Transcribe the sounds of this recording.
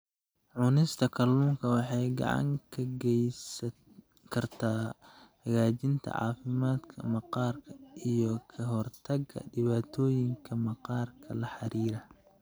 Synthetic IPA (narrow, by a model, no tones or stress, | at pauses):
ʕʊnɪst̪ʰɐkʰɐluːŋkʰɐwɑħɑjɡɑ̰ʕɑ̰ŋkʰɐɡɛ | kʰɐrt̪ʰaːhɐɣaːt͡ʃɪnt̪ʰɐ̰ʕɑ̰ːfɪmaːd̪kʰɐmɑqɑːrkʰɐʔijɔkʰɐɦɔrt̪ʰɐɡʰɐ̰ɖɪβaːt̪ʰɔːjɪŋkʰɐmɑqɑːrkʰɐlɐħɑɾiːɾɐ